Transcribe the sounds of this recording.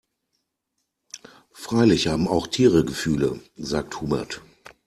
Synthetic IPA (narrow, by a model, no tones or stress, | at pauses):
fʁ̥aɪlɪçhaːbm̩aʊxtʰiːʁəɡəfyːlə̰zaːk̚thuːmɐ̰t